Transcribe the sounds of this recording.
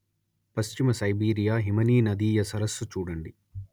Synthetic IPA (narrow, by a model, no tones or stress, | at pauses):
pɐst͡ʃimɐsɐjbiːɾijaːɦimɐniːnɐd̪iːjɐsɐɾɐsːut͡ʃuːɽɐɳɖi